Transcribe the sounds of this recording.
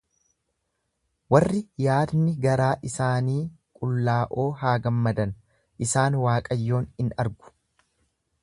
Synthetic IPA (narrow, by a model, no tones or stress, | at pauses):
wɐrːɪjaːd̪nɪɡɐɾaːʔɪsaːniːkʼʊlːaːʔo̞ːɦaːɡɐmːɐd̪ɐn | ʔɪsaːnwaːkʼɐjːo̞ːnɪnɐɾɡʊ̥